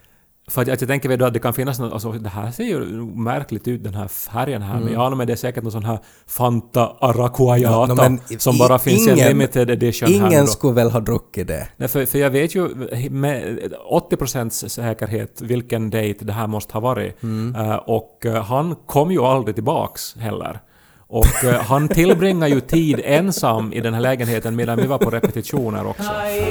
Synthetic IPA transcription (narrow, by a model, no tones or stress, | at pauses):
fœɾat̪jɑt̪jɑɡt̪ʰɛŋkːəɾvɛd̪oat̪d̪ɛkʰanfɪnːas̬nɔa̰sɔd̪ɛɦæːseːjʉ̰nuːɡmæɾklɪɡ̚t̪ʉ̟ːt̪̚d̪ɛnɦæ̰ːɾfæɾjənɦæ̰ːɾmɛnjɑɑːnːamɛd̪ɛæʂsɛːkəʈnɔnsɔnɦæːɾ | fant̪aːɾakʰʊajɑːt̪sɔmbɑːɾafɪnːsɪɛlɪmɪt̪ɪd̪ɛd̪ɪʂənŋhæːənskɵvɛlɦɑːd̪ɾɵkːɪd̪ɛ̰nɛfœfœɾjɑːɡveːt̪jɵmɛɔt̪ːɪpɾʊsɛnt̪sɛːkəɾɦeːt̪vɪlkənd̪ɛjt̪d̪ɛɦæːɾmɔst̪ə̥hɑːvɑːɾɪ̰ | ʔɔkɦankʰɔmːjɵald̪ɾɪt̪ɪlbɑ̰ːksɦɛlːə̰ɾ | ʔɔkɦant̪ʰɪlːbɾɪŋːajɵt̪ʰiːd̪ɛnsamːɪ̰d̪ɛnɦæːɭɛːɡənheːt̪ənmeːd̪anvɪvaɾppʰɔɾɛpɛt̪ɪʂuːnə̰ɾɔ̰ksɔ